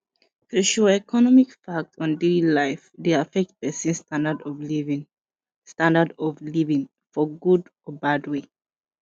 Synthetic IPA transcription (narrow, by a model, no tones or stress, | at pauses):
tʰuʃɔɛkʰɔnɔmikfak̚tɔ̃ndelilaɪfdeafɛk̚t̚pɛsĩnstãndadɔvlivĩŋ | stãndadɔvlivĩŋ | fɔɡudɔbadwe